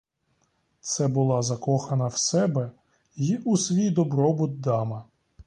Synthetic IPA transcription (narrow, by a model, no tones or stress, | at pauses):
t̪sɛbʊlˠɑzɐkɔxɐnɐwsɛbɛ | jiʔusʋʲijd̪ɔbɾɔbʊd̪̚d̪ɑmɐ